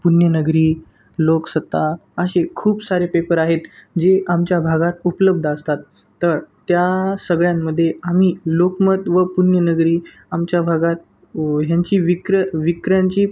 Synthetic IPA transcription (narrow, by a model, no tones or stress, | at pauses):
punjənəɡɾiː | loksət̪ːaəɕekʰuːbsaɾepepəɾaɦet̪d͡ʑeʔamt͡ɕjabʱaɡat̪upləb̚d̪ʱəst̪at̪ː | əɾt̪jasəɡɭjamːəd̪ʱːjeam̤iːlokmət̪ʋəpunjənəɡɾiː | amt͡ɕjabʱaɡat̪̚ | ɦjaɲt͡ɕiːʋikɾəʋikɾjãɲt͡ɕiː